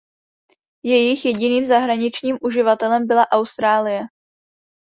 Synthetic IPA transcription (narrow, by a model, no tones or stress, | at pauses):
jɛjɪxjɛɟɪniːmzaɦɾaɲɪt͡ʃɲiːmʔuʒɪvat̪ɛlɛmbɪlaʔawst̪ɾaːlɪjɛ